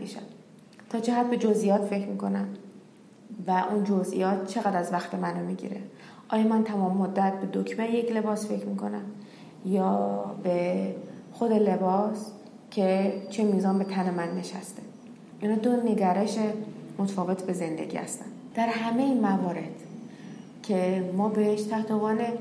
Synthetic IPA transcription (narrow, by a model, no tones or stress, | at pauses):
bḭʃæ̰n | t̪ʰɒːt͡ʃʰeɦæd̪̚be̞d͡ʒo̞zʔijɒːt̪fe̞cɾmiːkʰo̞næn | væʔund͡ʒozḭjɒːt̪̚t͡ʃʰe̞ɣæd̪ɾæzvæxt̪ʰe̞mænomiɟḭɾe | ʔɒːjɒːmænt̪ʰæmɒːmːod̪ːæt̪̚be̞d̪okʰmejecʰle̞bɒːsfe̞cʰmiːkʰo̞̰næm | jɒːbe | xo̞d̪e̞le̞bɒːs | cʰe̞t͡ʃʰemiːzɒːnbe̞t̪ʰæne̞mænːe̞ʃæ̰st̪e | ʔinhɒːd̪one̞ɟæɾe̞ʃemot̪ʰfɒːve̞t̪ʰbe̞ze̞nd̪ḛɟʲḭːhæ̰st̪ænd̪d̪̥æɾɦæme̞imævɒːɾe̞d̪̥ | cʰe̞mɒːbe̞heʃt̪ʰæht̪oɣɒːne